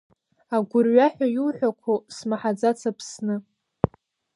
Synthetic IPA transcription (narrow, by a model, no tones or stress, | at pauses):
aɡʷʊrɥaħʷᶣajulħʷᶣakʷʰosmaħad͡zat͡sʰapʰsnɨ